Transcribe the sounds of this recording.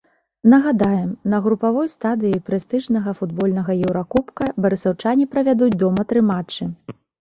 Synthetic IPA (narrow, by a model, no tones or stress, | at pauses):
nɐɣad̪ajɛmnɐɣɾupavɔjst̪ad̪ɨjɐjpɾɛst̪ɨʐnɐɣɐfud̪bɔlʲnɐɣɐjɛwɾakupkɐbɐɾɨsɐwt͡ʂanʲipɾɐvʲad̪ud͡zʲd̪ɔmɐt̪ɾɨmat͡ʂːɨ